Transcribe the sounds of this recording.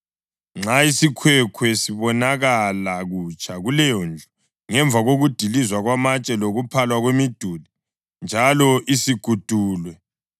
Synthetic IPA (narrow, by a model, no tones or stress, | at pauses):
ŋ͡ǁaisikʰwɛkʰwɛsiβɔnaɣalaɣut͡ʃʰʼaɣulɛjɔnd͡ɮʱu | ŋɛɱvʱaɣoɣud̥ʱilizwaɣwamat͡ʃʼɛloɣupʰalwaɣwemid̥ʱuli | nd͡ʒʱalɔʔisiɡ̥ʱud̥ʱuːlwɛ